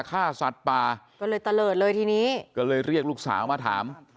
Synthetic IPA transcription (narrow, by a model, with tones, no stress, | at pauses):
kʰaː˥˩sa˨˩t̪̚paː˧ | kɔː˥˩lɤː˧jt̪a˧lɤː˨˩t̪̚lɤː˧jt̪ʰiː˧niː˦˥kɔː˥˩lɤː˧jɾi˥˩ək̚luː˥˩k̚sa̰ː˩˦wmaː˧t̪ʰa̰ː˩˦m